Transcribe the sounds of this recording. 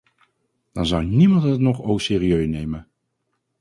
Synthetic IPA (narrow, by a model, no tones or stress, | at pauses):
d̥ɑnzɑwnimɑntətnɔχowsɪːriøɥnejmən